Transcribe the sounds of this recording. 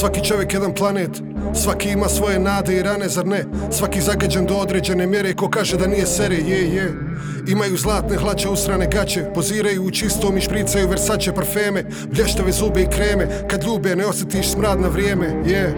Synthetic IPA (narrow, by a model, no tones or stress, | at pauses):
sʋakit͡ʃo̞ʋje̞kjed̪anplˠaneːt̪ | sʋakiimaːsʋo̞je̞naːd̪e̞iɾane̞zaɾnesʋakiːzaɡad͡ʑand̪o̞od̪ɾeːd͡ʑe̞nemjeɾe̞ko̞kaːʒed̪anijeseɾejeje | imajuzlˠaːt̪neɦlˠat͡ɕeusɾaːne̞ɡat͡ɕe̞poziːɾajuːt͡ʃist̪omiʃpɾiːt̪sajuʋeɾsat͡ɕepɾfeːme | ʋʎʲeʃt̪aʋezuːbeikɾeːme | kad̪ʎʲuːbeneosʲjet̪iʃsmɾaːd̪naʋɾʲjeːmeje